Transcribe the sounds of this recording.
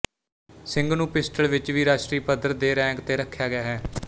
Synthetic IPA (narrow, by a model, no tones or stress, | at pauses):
sɪŋɡnũːpɪsʈəlʋɪt͡ʃʋiːɾaːʃʈɾiːpəd̪əɾd̪eːɾɛ̃ːŋkt̪eːɾəkʰːjaːɡɪjaːɦɛː